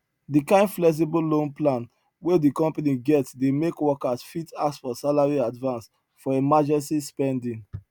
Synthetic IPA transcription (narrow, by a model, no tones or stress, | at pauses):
dikãɪ̃nflɛks̬ibulõnplãn | wedikɔ̃mpaniɡɛtsdemekwɔkasfitaksfɔsalaɹiadvãns | fɔemad͡ʒɛ̃nsispɛ̃ndĩŋ